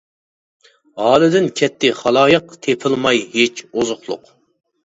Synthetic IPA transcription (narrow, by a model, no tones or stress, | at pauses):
ʁɑːlˠɨd̪ɪnkʲʰɛt̪ʰːɪχɑlˠɑːjəqt̪ʰepʰɨlˠmɑjɦet͡ʃʰozʊχlˠʊ̰q